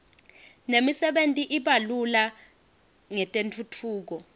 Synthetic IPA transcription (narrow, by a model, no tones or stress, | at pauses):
nemisɛɓentʼiʔiɓalula | ŋɛtʼentʰutʰuːk̬ɔ